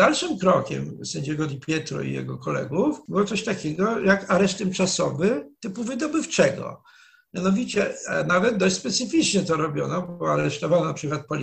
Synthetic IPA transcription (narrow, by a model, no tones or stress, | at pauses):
d̪alʂɘmkɾɔkʲɛ̰msɛɲd͡ʑɛɡɔd̪ʲipʲjɛt̪ɾɔ̰ḭjɛ̰ɡɔkʰɔlɛ̰ɡufbɘwɔt̪sɔɕt̪akʲɛɡɔjakaɾɛʂt̪ɛmt͡ʂasɔvɘt̪ɘpuvɘd̪ɔbɘft͡ʂɛɡɔ̰ | mjanɔvʲit͡ɕɛnavɛd̪̚d̪ɔɕt͡ɕʲspɛt̪sɘfʲit͡ʂɲɛt̪ɔɾɔbʲjɔ̰nɔbɔaɾɛʂt̪ɔvawnapʂɘkwat̪̚pɔlʲ